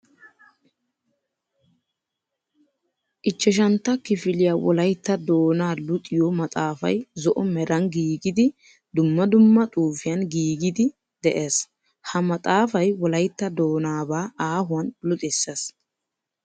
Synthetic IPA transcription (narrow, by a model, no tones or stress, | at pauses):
ʔɪt͡ʃːɛʃ̬ɐnt̪ːɐkɪfɪlɪjaːwɔ̰lɐjt̪ːɐd̪oːnaːlʊt̪ʼɪjɔmɐt̪ʼaːfɐ̰jzɔʔɔmɛɾɐnɡiːɡɪd̪ɪ | d̪ʊmːɐd̪ʊmːɐt̪ʼuːfɪjɐnɡiːɡɪd̪ɪ | d̪ɛʔeːs | hɐmɐt̪ʼaːfɐjwɔlɐjt̪ːɐd̪oːnaːbaːaːɦʊɐnlʊt̪ʼɛsːes